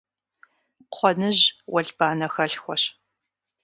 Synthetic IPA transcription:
qʷʰɔnɨʑwɐɮbaːnɐxɐɬxʷɔɕ

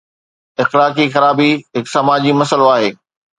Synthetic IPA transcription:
ɪxlaːkixɐɾaːbiɦɪksɐmaːd͡ʑimɐsəloaːɦeː

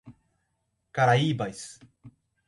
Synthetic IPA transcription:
kaɾaiːbajs

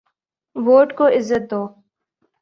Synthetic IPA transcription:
ʋoːʈkoɪzːət̪̚d̪oː

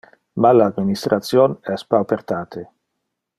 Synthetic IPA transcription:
malaːd̪minist̪ɾat̪sjonɛspawpeɾt̪aːt̪ʰe

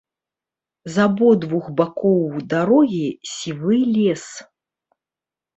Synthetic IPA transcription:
zabɔd̪vuxbakɔwd̪aɾɔɣʲisʲivɨlʲɛs

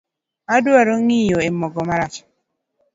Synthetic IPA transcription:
aduaɾoŋijoemɔɡɔmaɾat͡ʃ

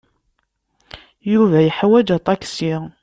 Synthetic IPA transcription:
juvæjəħwæd͡ʒæt̪ˤɑksi

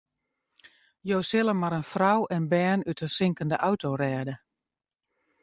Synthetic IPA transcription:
joːsɪlˠəmaɾənfrawʔɛnbɛːnytəsɪŋkəndəʔawtorɛːdə

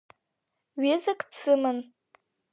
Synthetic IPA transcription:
ɥezakʼt͡sʰɨmɨn

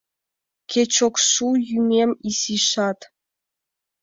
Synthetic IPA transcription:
kʲʰet͡ɕokʃujymʲemʲisiʃɑt̪

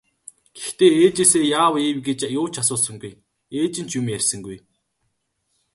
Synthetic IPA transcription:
ɡ̥ext̪eːeːt͡ɕeːseːjaːwiːwɡet͡ɕjʊːt͡ɕʰasʊːɮsə̆ŋɡuj | eːt͡ɕɪ̆n̥t͡ɕjɵmjærʲsə̆ŋɡuj

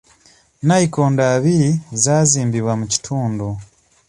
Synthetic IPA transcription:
naikoːndaβizaːziːmbiβwamuci̥tʰuːndo

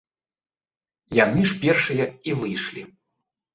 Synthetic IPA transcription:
janɨʂpʲɛrʂɨjɐivɨjʂlʲi

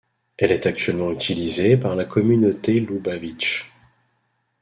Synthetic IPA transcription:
ɛlɛt̪ak̚t̪ɥɛlmɑ̃yt̪ʰilizepaʁlakʰɔmynot̪elubavit͡ʃ

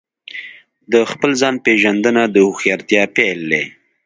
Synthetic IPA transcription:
d̪əxpəlzɑnpeʒand̪ənad̪əhʊxjɑɾt̪jɑpeld̪e

